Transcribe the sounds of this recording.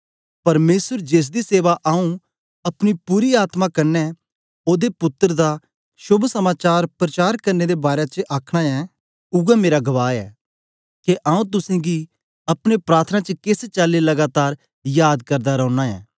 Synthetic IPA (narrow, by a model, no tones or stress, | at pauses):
pɐɾmeːsəɾd͡ʒeːs̬d̪iseːʋaʔaːũ | ɐpɽ̃ipuːɾiaːt̪mãkɐɾnɛ | oːd̪epʊt̪ːəɾd̪a | ʃʊbʱsɐmaːt͡ʃaːɾpɾɐt͡ʃaːɾkɐɾned̪ebaːɾet͡ʃəʔaːkʰɽ̃aɛ | ʊɡameːɾaɡɐʋaːɛ̰ː | keʔãːũt̪̬ʊsẽɡi | ɐpɽ̃epɾaːɾt̪ʰnat͡ʃəkɪst͡ʃaːlilɐɡaːt̪aːɾ | jaːd̪kɐɾd̪aɾɔ̃ːñaɛ̰ː